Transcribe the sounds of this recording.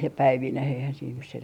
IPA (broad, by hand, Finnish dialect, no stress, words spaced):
jɑ pæiʋineh eihæn siːn nys sen